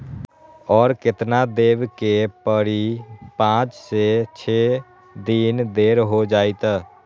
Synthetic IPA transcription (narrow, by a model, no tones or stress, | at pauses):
ɔːɾkɪt̪nad̪eːʋkepəɽipãːt͡ʃset͡ʃʰeː | d̪iːnd̪eːɾɦod͡ʒaːit̪ː